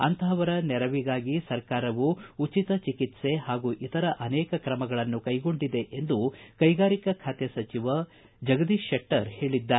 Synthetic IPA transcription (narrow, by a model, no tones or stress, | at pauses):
ɐ̰nt̪ʰɐɐʋɐɾɐnɛɾɐʋiɡaːɡisɐɾkaːɾɐʋuut͡ʃit̪ɐt͡ʃikit̪se̞ɦaːɡuʔit̪ɐɾɐʔɐnɛːkɐkɾɐmɐɡɐɭɐnːukɐjɡo̞ɳɖid̪e̞ʔend̪ukɐjɡaːɾikɐkʰaːt̪jɐsɐt͡ʃiʋɐ | d͡ʒɐɡɐd̪iʃeʈːɐɾhe̞ːɭid̪ːa